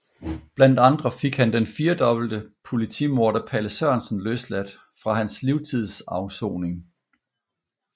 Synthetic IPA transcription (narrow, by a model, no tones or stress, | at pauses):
b̥læn̰d̥ɑ̈nd̥ʁɐfe̝ɡ̥hænd̥enfiːɐd̥ɒ̽b̥l̩d̥əpʰo̝lit͡sʰḭmo̝ɐɾ̥ɐpʰæləsɶɐnsn̩løslæd̥ | fʁɑ̈ɦænsliʊt͡sʰið̰ˠsɑ̈ʊso̰ːne̝ŋ